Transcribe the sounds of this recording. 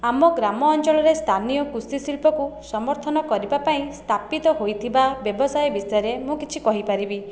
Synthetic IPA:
amɔɡɾamɔːnt͡ʃɔɭɔɾest̪ʰanijɔkusisilpɔkusɔmɔɾt̪ʰɔnɔkɔɾibapaĩst̪ʰapit̪ɔɦojt̪ʰibabjɔbɔsajɔbisɔjɔɾemũkit͡ʃʰikɔɦipaɾibi

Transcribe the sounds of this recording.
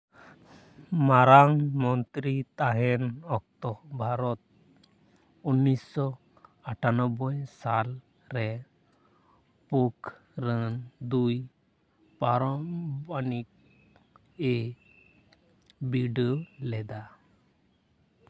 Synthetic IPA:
maɾaŋmɔnt̪ɾit̪aɦɛnɔk̚t̪ɔbʱaɾɔt̪̚ | unːisːɔ | aʈʰanɔbɔjsal | ɾɛ | puk | ɾənd̪uj | paɾɔmbanik̚ | e | biɖolɛd̪a

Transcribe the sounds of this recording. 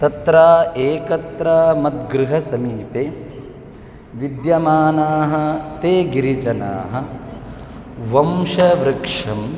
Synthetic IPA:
t̪ɐt̪ɾaːeːkɐt̪ɾaːmɐt̪̚ɡɾɨɦɐsɐmiːpeː | ʋid̪jɐmaːnaːɦɐ̆t̪eːɡiɾit͡ʃɐna̰ːɦɐ̆ | ʋɐmʃɐʋɾɐkʂɐm

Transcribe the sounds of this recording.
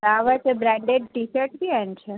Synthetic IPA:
aʋət͡ʃʰebɾɛ̃ɳɖeɖ̚ʈisəʈk̪iɛ̃nt͡ʃʰe

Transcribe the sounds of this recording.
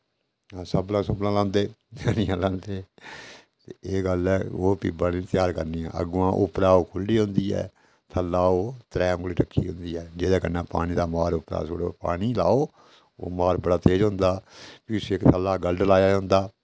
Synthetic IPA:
ãːsəblãːsʊblãːlãːnd̪eːd͡ʒaːniːãːlãːnd̪eː | t̪eeːɡəlɛːoːpibãːniːt̪jaːɾkəɾniːã̰ːʔə̰ɡuãːʔʊpɾaːoːkʰʊlːiːɦʊ̃nd̪iːɛ̰ː | t̪ʰəlːaːoːt̪ɾɛ̃ːŋɡliːʈəkʰːḭːɦʊ̃nd̪iːɦɛːd͡ʒeːd̪aːkənːãːpa̰ːɽ̃iːd̪aːmaːɾʊpɾa̰ːso̰ːɽopa̰ːɽ̃iːlaːoː | o̰ːmaːɾbəɽaːt̪eːd͡ʒɦʊ̃nd̪aːpiːsːɪkt̪ʰəlːaːɡəlɖlaːjaːɦʊ̃nd̪aː

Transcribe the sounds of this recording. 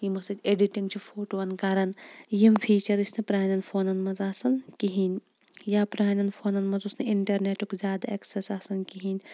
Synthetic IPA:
jimɐsɐd͡ʒʲeɖiʈiŋɡt͡ʃʰufʰoːʈoːɐnkaɾɐnjimpʰiːt͡ʃɐɾisnɐpɾaːnɐnfʰoːnɐnmɐzaːsɐnkiɦinʲ | jaːpɾaːnɐnfʰoːnɐnmɐnzusneiɳʈɐɾneːʈukzʲjaːd̪aeksesaːsɐnkiɦinʲ

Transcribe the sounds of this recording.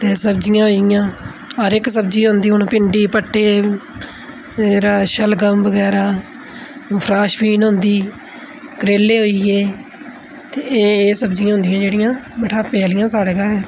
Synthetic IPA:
t̪eːsəbd͡ʒɪjãːɦoːɪjãː | əɾɪksəb̚d͡ʒiːɦʊ̃nd̪iːʊnpɪ̃ɳɖiːpəʈːeː | eːɾaːʃəlɡəmbəɡɛːɾaː | pʰɾaːʃpiːnɦʊ̃nd̪iː | ɡəɾeːlːeːɦoːiːjeː | t̪eːeːsəbd͡ʒɪjãːɦʊ̃nd̪ɪjãːd͡ʒeːɽɪjãːmɪʈʰaːpɛːlɪjãːsaːɽeːkəɾɦɛː

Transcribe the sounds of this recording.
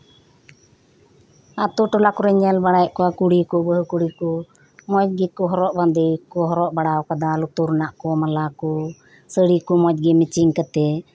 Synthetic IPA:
at̪uʈɔlakɔɾɛɲɛlbaɽajʔkɔakuɽikɔbəɦkuɽikɔ | mɔt̚ɡɛkɔɦɔɾɔʔbad̪ikɔɦɔɾɔʔbaɽawkad̪alut̪uɾnaʔkɔmalakɔ | səɽikɔmɔt̪̚ɡɛmit͡ʃiŋkət̪ɛ

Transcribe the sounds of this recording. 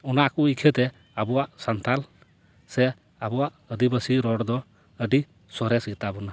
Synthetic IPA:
ɔnaʔkuikʰɛt̪ɛ | abɔwaʔsant̪al | sɛ | abɔwaʔəd̪ibəsiɾɔɽd̪ɔ | əɖi | sɔɾɛsit̪abɔna

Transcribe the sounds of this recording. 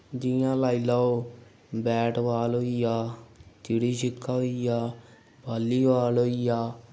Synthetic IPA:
d̪ijãːlaːiːlaːoː | bɛːʈʋaːlɦoːijaːt̪iːɽiːʃɪkʰːaːɦoijaː | baːlːiːʋaːlɦoːijaː

